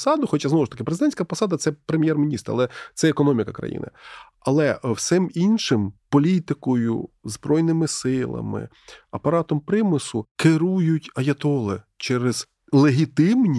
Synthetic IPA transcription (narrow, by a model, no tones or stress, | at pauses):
sɑd̪ʊxɔt͡ʃaznɔwʊʃt̪ɐkʲɪpɾezɪd̪ɛnʲsʲkɐpɔsɑd̪ɐt̪sɛpɾemʲjɛrmʲinʲist̪rɐ̰lˠɛt̪sɛekɔnɔmʲikɐkɾɐ̰jḭnɪ̰ | ɐlˠɛwsɪminʃɪmpɔlʲit̪ɪkɔjʊ̰zbɾɔjnɪmɪsɪlˠɐ̰mɪ̰ | ɐpɐɾɑt̪ɔmpɾɪmɪsʊkɪɾujʊtʲɐjɐt̪ɔlˠɪ | t͡ʃɛɾɪz̥ | lˠeɦʲit̪ɪmnʲi